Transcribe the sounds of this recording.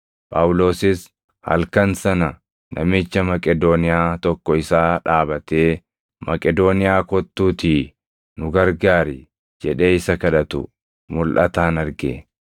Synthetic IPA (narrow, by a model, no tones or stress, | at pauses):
pʼaːwʊlo̞ːsɪs | hɐ̰lkɐnsɐnɐ | nʔɐ̰mɪt͡ʃːɐmɐkʼɛd̪oːnɪjaːt̪ɔkːɔɪsaːᶑaːbɐt̪eː | mɐkʼɛd̪oːnɪjaːkɔt̪ːuːt̪i | nʊɡɐɾɡaːɾɪ | d͡ʒɛᶑe̞ːɪsɐkɐᶑɐt̪ʊ̰ | mʊlʔɐ̰t̪aːnɐɾɡḛ